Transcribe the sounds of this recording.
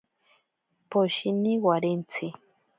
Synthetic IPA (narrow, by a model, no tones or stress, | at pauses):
poʃiniwaɾent͡sʰɪ